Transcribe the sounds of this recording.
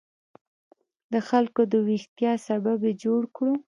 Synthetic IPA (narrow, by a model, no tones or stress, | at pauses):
d̪əxalkod̪əwixt̪jɑsababed͡ʒoɽkɽu